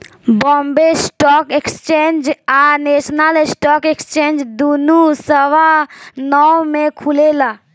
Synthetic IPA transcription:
bɔ̃ːmbesʈɔːkekst͡ʃẽːnd͡ʒaneːʃnalesʈɔːkekst͡ʃẽːnd͡ʒd̪unusəwanɔmẽkʰulelaː

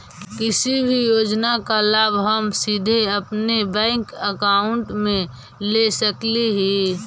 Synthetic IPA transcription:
kɪsibʱijoːd͡ʒnakalaːbɦəmsid̪ʱeɐpnebɛ̃ːŋkəkaːʊɳʈmẽ | lesəkliɦi

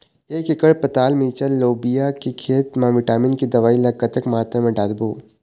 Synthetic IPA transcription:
eːkɪkəɽpɐt̪aːlmiːt͡ʃəlːoːbijakikʰeːt̪mãʋɪʈaːmɪnkid̪ɐʋaːilɐkːət̪əkmaːt̪ɾemẽɖaːd̪buː

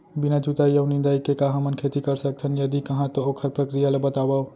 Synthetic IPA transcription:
binad͡ʒut̪aijəwnĩnd̪aikekãɦəmənkʰet̪ikəɾsək̚t͡ʃʰənjəd̪ikəɦãt̪ookʰəɾpɾəkɾijalebət̪aba

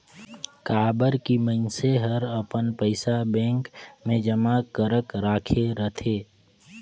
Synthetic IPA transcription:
kaːbəɾkimənseɦəɾəpənpəɪsabɛ̃ːŋkmẽd͡ʒəmakəɾəkɾaːkʰeɾət̪ʰeː

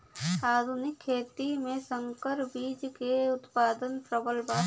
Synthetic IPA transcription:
aːd̪ʱunɪkʰːeːt̪imẽsə̃ŋkəɾbiːd͡ʒkeʊt̪paːd̪ənpɾəbəlbaː

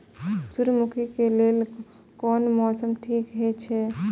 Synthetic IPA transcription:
suɾmukʰikelel | kɔnmɔsəmʈʰikɦɛt͡ʃʰɛ

